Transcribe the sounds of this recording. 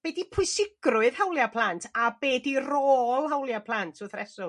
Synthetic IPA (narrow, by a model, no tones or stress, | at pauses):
b̥ɛdipʰʊɨsɪɡ̥rʊɨð̥hawlˠjapʰl̥ˠantʰabɛːdiroːlˠhawlˠjapʰlˠantʰʊθrɛsʊ